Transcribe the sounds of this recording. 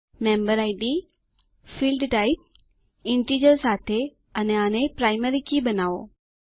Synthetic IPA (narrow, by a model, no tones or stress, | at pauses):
mẽːmbəɾaːɪɖi | filɖʈaːɪp̚ | ɪ̃ɳʈiːd͡ʒəɾsaːt̪ʰe | ɐneaːnẽpɾaːɪməɾikʰibɐnaːʋo̰ː